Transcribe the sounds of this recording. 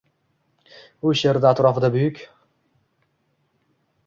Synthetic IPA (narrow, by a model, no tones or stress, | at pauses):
ʊʃjeɾd̪aːt̪ɾɒfɨd̪abʊjʏkʲ